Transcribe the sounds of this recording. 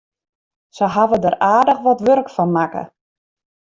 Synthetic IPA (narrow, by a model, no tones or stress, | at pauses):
səɦavədəraːdəxʋɔtʋørkfɔnmakə̰